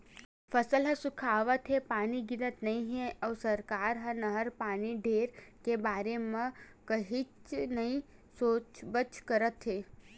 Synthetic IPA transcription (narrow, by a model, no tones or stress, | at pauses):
fʰəsəlɦə̃sʊkʰaːʋət̪ɦepaːniɡɪɾət̪nɐɦĩɦẽɐwsəɾkaːɾɦənɐɦəɾpaːniɖʱeːɾkebaːɾemɐ̃ | kəɦit͡ʃnəĩsoːt͡ʃbət͡ʃkəɾət̪ɦeː